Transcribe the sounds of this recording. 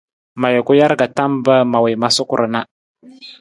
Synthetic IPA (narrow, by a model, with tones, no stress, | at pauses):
ma˨jə˨ku˦ja˦ɾɡa˨ta˦mbə˦ma˨wi˨ma˦su˦kṵ˨ɾə˨na˦